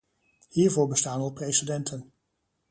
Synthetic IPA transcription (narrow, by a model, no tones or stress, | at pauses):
hiːɹvʊːɹbəstaːnɔlˠprejsidɛntʰən